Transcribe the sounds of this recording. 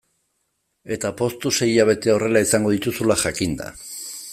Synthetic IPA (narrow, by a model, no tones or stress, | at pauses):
e̞t̪apo̞st̪use̞iʎaβ̞e̞t̪e̞o̞re̞laisaŋɡo̞ð̞it̪usulaʝakind̪a̰